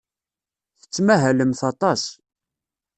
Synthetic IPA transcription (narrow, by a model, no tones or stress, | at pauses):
θə̥t͡sːmæɦæləmθɑt̪ˤɑs